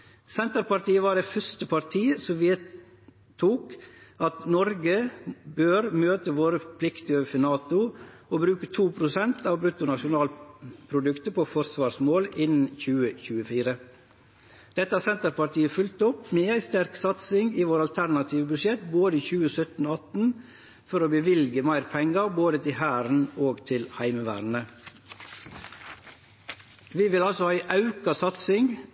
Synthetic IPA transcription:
sɛnt̪əɾpɑɾt̪iːəʋɑːɖeːfœst̪əpʰɑɾt̪ʰiːsɔmʋeː | t̪ʰːuːkɑt̪nɔɾɡəbøːɾmøːt̪əʋoːɾəpʰlɪkt̪əøːʋəfɪnɑːt̪ʊoːbɾʉːkət̪ʰuːpʰɾʊsɛnt̪ɑːʋbɾʉt̪ʊnɑʂʊnɑːlpʰɾʊd̪ʉkt̪əɾpʰofɔɾsʋɑːsmoːlɪnn̩çʉːəçʉːəfiːɾə | d̪̥ɛt̪ːəhɑsɛnt̪əɾpɑʈ̪iːəfʏlt̪ɔpmeːæɪst̪æɾksɑt̪sɪŋɡiːʋoːɾɑlt̪ʰæɾnɑt̪ʰiːʋəbʉʃjɛt̪boːd̪əiːçʉːəsœt̪n̩oɑt̪n̩ | fɔɾoːbəʋɪlɡəmæɪɾpʰɛŋɑɾboːd̪ət̪ʰɪhæːɾn̩oːɡt̪ʰɪlhæɪməʋæ̰ːɾnə | ʋiːʋɪlɑlsɔæɪʔɑʉkɑsɑt̪sɪŋ

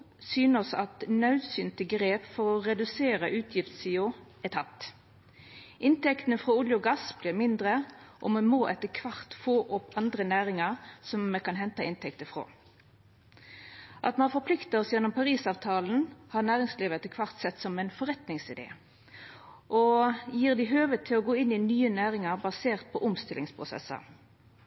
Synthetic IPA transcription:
syːnəsɑ̰t̪nɑʉsyːnt̪əɡʁeːpfɔʁɔʁɛd̪ʉseːʁəʔʉːt̪ʰjɪft̪siːʊ | ɛt̪ʰɑt̪ | ʔɪnt̪ɛkt̪ənəfʁoːʊljʊɡɑsb̥liːʁmɪnd̪ʁəʔɔmɛmoːʔɛt̪ːəkʰʋɑʁt̪foːʔɔpɑnd̪ʁənæːʁɪŋəʁsɔmmɛkɑnɦɛnt̪ɑɪnt̪ʰɛkt̪əfʁo̰ː | ʔɑ̰t̪mɛnɑɾfɔpʰlɪkt̪ɑɔsjɛnːɔmpʰɑʁiːsɑːʋt̪ʰɑːln̩hɑʁnæːʁɪŋsliːʋəɛt̪ːəkʰʋɑʁt̪sɛt̪ːsɔmɛɪnfɔʁɛt̪nɪŋsɪd̪ḛː | ʔɔjiːʁd̪ɪɦøːʋət̪ʰɪlɔɡoːɪnɪnyːənæːʁɪŋəʁbɑseːʁt̪̚pʰɔʔʊmst̪ɪlɪŋspʰʁʊsɛ̰sə̰ʁ

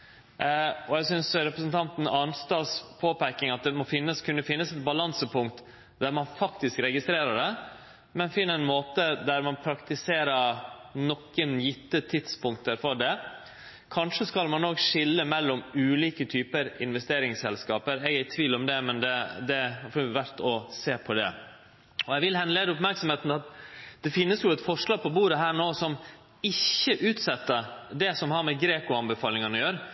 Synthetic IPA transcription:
ɔæɡsʏnsɾɛpɾəsn̩t̪ʰɑnt̪n̩ɑnst̪ɑːspʰoːpæɾkɪŋɑt̪̚d̪ɛmɔfɪnːəskʰʉnːəfɪnːəsɛt̪̚bɑlɑnsəpʰʊŋkt̪ | d̪æɾmɑnfɑkt̪ɪskɾɛɡɪst̪ɾeːɾəɖɛ | mɛnfɪnːəɛnmoːt̪əd̪æɾmɑnpʰɾɑkt̪ɪseːɾəɾnɔkːənjɪt̪ːət̪ʰɪd̪spʊŋk̚t̪əɾfɔɖɛ | kʰɑnʂəskɑlmɑnːɔɡʂɪlːəmɛlːɔmʉːliːkət̪ʰyːpəɾɪnʋɛst̪eːɾɪŋsɛlskɑːpəɾɛɡæɾt̪ʰʋiːlɔmd̪ɛmɛnd̪ɛd̪ɛɑfɔʋæɾt̪ɔseːpʰɔd̪ɛ | ɔɛʋɪlhɛnːəleːd̪əʊpmæɾksɔmheːt̪n̩ɑt̪d̪̥ɛfɪnːəsjʊɛt̪fɔʂɭɑːɡ̚pʰɔbuːɾəɦæːɳoːsɔm | ɪçːəʔʉːt̪sɛt̪ːəd̪ɛsɔmhɑɾmɛɡɾeːkʊɑnbəfɑːlɪŋənɔjøːɾə

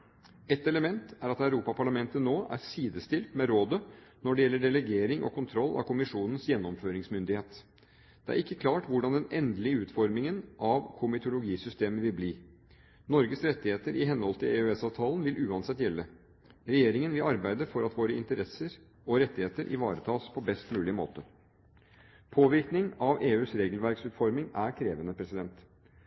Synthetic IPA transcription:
ɛt̪ɛləmɛnt̪æɾɑt̪æʉɾuːpɑpʰɑɭɑmɛnt̪ənoːʔæ̰ɾsiːd̪əst̪ɪlt̪mɛɾoːd̪ənɔɖɛjɛlːəɖɛlɛɡeːɾɪŋʔɔ̰kʰʊnt̪ʰɾɔlːɑ̰kʰʊmɪʂuːnən̩sjɛnːɔmføːɾɪŋsmʏnd̪ɪheːt̪ | d̪̥ɛæ̰ɾɪkːəkʰlɑːʈʋʊɖɑnd̪ɛnɛnd̪lɪəʉːt̪fɔɾmɪŋənʔɑʋkʰʊmɪt̪ʊlʊɡiːsʏst̪eːməʋɪlbliː | nɔɾɡəsɾɛt̪ːɪheːt̪əɾɪɦɛnhɔlt̪ʰɪleːøɛsɑʋt̪ʰɑːlənʋɪlʔʉːɑnsɛt̪ːjɛlːə | ɾɛjeːɾɪŋənʋɪlɑɾbæɪd̪əfɔɾɑt̪ʋoːɾəɪ̰nt̪əɾɛsəɾ | ɔɾɛt̪ːɪheːt̪əɾʔɪ̰ʋɑːɾət̪ʰɑːspʰɔbɛst̪mʉːlɪəmo̰ːt̪ə | pʰoːʋɪɾknɪŋɑʋeːʉːsɾeːɡəlʋæɾksʉːt̪fɔɾmɪŋæɾkʰɾeːʋənəpʰɾɛsɪd̪ɛnt̪

